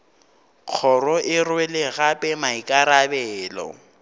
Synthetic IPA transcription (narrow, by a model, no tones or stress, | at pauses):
k͡xʰɔrɔʔɪrwɛlɪɣapʼɛmaikʼaɾabɛːlɔ̰